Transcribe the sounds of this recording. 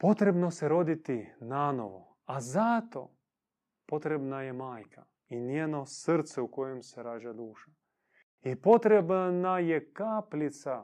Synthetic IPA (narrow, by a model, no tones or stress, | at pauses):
pot̪ɾebnosɛɾod̪it̪inano̰ʋo̰ | azat̪o̰ | pot̪ɾebnajɛmaːjkʰa | injeːnosɾt̪sɛukojemsɛɾaːʒad̪uːʃa | ipot̪ɾebnajɛkaːplit̪sa